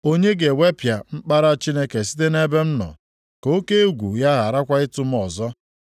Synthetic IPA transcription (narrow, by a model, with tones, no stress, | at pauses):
o˦ɲe˦ɡe˨we˦pja˨m̩˦k͡pa˦ɾa˦t͡ʃi˦ne˦ke˨si̥˦te˦ne˦be˦m̩˦nɔ̰˨ | ko˦ke˦ɡʷu˨ja˦ɣa˨ɾa˦kʷa˦ɪ˦tʊ˦m̩˦ɔ˨zɔ˦